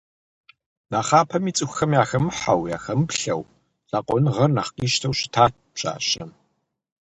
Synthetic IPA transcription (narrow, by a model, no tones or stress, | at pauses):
naːχaːpʰɐmiːt͡sʼɨxʷxɐmjaːxɐmɨħawja̰ːxɐmpɬɐ̰w | ɮ̥aːqʷʼɔnɨʁɐrnaχqiːʃtʰɐwɕɪ̥tʰaːt̚ | pɕʼa̰ːɕɐm